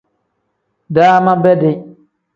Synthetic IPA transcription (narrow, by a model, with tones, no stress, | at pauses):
daː˦ma˦bɛ˦dɪ˨